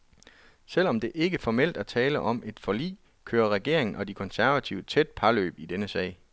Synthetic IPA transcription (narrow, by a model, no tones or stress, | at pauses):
sel̰ɒ̽md̥e̝ʔe̝ɡ̥əfɒmel̰d̥æɐt͡sʰɛːləʔɒ̽me̝d̥fɒlḭː | kʰøːɐʁɛɡ̥e̝ɐ̰eŋn̩ɒ̽d̥ikʰɒ̽nsæɐʋæt͡sʰiʊət͡sʰed̥̚pʰɑ̈lø̰ːb̥id̥enəsɛ̰ɪ̰